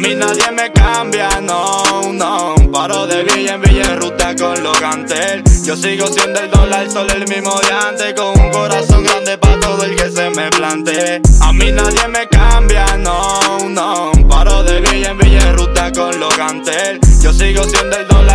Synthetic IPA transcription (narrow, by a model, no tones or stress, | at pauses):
mĩnaðje̞me̞kambjanonopaɾoðeβijembiʝerut̪akonloɣant̪elʝosiɣosjond̪eld̪olaɾisolelmĩzmoðjant̪ekoŋuŋko̞ɾasõŋɡɾand̪e̞paɾat̪oðoelke̞seme̞plant̪eamĩnaðje̞me̞kambjanonopaɾoðeβiɾembiʝerut̪akonloɣant̪elʝosiɣosjond̪eld̪ola